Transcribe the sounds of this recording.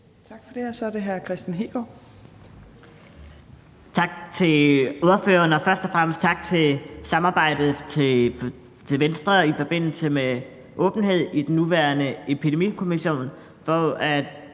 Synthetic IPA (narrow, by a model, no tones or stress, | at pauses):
t͡sʰɑ̈ɡ̥fɒd̥e̝ɐsɒɐde̝ɦæɐkʰʁɛsd̥nɦḛɡ̥ɒ | t͡sʰɑ̈ɡ̥̚t͡sʰe̝loðˠɐfø̰ːɐnɒ̽fɶɐsd̥ɒfʁam̰əsd̥̚t͡sʰɑ̈ɡ̥̚t͡sʰe̝lsɑ̈mɑ̈ːb̥ɑ̈ɪ̰d̥ð̩ˠt͡sʰe | t͡sʰe̝lʋensd̥ʁɐifɒ̽b̥e̝n̰l̩səme | ʔɔ̽ːb̥n̩ɦe̝ð̞̰ˠid̥enːuʋæːɐnəepʰid̥e̝mḭːkʰo̝miɕo̝̰ːn | fɒ̽æ̥